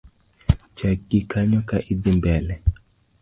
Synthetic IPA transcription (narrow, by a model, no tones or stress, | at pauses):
t͡ʃakikʰaɲɔkaʔidimbɛlɛ